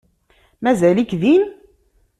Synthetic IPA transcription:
mæzælikðin

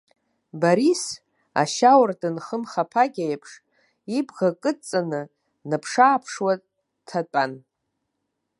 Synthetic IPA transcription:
baɾis | a̰ʃawrdɨnχəmχapʰaɡʲajpʰʂ | ibʁakʼɨt͡sʼanɨ | nɨpʰʂaːpʰʂwa | tʰatʷʼan

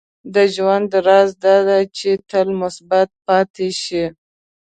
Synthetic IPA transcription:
d̪əʒwand̪əɾɑzd̪ɑd̪at͡ʃet̪əlmʊsbat̪̚pɑt̪eʃi

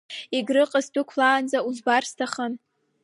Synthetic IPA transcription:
iɡrɨqʼəzdɨkʷʰlaːnd͡zauzbarstʰaχən

